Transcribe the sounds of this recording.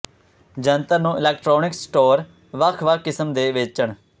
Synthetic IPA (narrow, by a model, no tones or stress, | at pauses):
d͡ʒənt̪əɾnũːʔɪlɛːk̚ʈɾoːnɪksʈoːɾ | ʋəkʰʋəkʰːɪsəmd̪eːʋet͡ʃəɳ